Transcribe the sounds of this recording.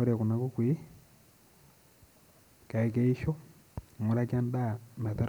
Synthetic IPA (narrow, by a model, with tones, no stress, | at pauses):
o˦ɾe˨ku˨na˨ku˦kwi˦ | ka˨e˨ke˦i˦ʃo˦˨ | ŋu˦ɾa˦ka˦n˦da˦˨na˨ta˦ɾ